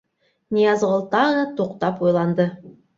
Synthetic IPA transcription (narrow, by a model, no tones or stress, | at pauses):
nʲijɑzʁəlˠt̪ɑd̪ɑt̪ʰoqt̪ɑpwo̞jlˠɑnd̪ə